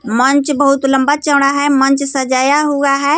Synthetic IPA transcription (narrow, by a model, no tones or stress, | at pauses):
mənt͡ʃbəɦʊt̪ləmbat͡ʃəːɽ̃aɦɛmə̃nt͡ʃsəd͡ʒaːjaɦuɡaɦɛː